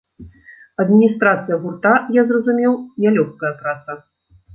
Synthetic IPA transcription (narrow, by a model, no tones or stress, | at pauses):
ɐd̪mʲinʲist̪ɾat̪sɨjɐɣurt̪ajazrɐzumʲɛwnʲalʲɔxkɐjɐpɾat̪sɐ